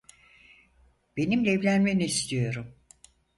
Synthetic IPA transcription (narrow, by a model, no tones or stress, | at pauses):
b̥e̞nimlʲɛɛːvlʲænmeniːst̪ʰijo̞ɾum